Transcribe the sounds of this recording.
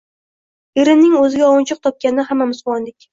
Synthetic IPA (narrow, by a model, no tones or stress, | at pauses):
eɾɪnːɪŋɵzɪɡʲaɒwʊnt͡ʃʰɨq̚t̪ʰɒp̚kʲanɪɦamːamʊsʊlˠmɒnd̪ɪkʲ